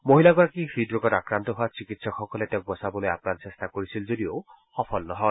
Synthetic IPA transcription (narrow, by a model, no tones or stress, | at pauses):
moɦilaɡɔɾakipʰɾidɾukɔɾakɾant̪ɔɦuat͡ʃikit̪sɔkxɔkɔlet̪ek̚bɔsabɔloja̰pnansest̪akɔɾisild͡ʒod̪io | xɔpʰɔlnɔɦɔ